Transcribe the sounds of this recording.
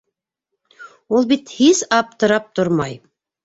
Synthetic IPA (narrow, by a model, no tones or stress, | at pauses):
ulˠbit̪hizɑp̚t̪ɤ̆ɾɑp̚t̪oɾmɑj